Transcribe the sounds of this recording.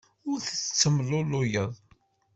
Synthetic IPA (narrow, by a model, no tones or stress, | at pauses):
ʊɾθət͡sːt͡sːəmlʊlʊjəðˤ